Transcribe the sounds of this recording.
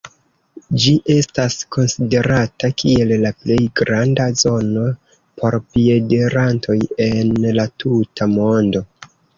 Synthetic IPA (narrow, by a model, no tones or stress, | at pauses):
d͡ʒiʔe̞stasko̞nside̞ɾatakie̞llaple̞jɡɾandazo̞no̞ | pʰo̞ɾpie̞de̞ɾantʰo̞je̞nlatʰutʰamo̞ndo̞